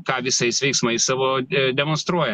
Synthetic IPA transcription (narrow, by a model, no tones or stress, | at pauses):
kɑːʋʲɪsɐɪsʋʲɛɪksmɐɪsɑːʋoːd̪ʲɛmonst̪ɾuɔjɛ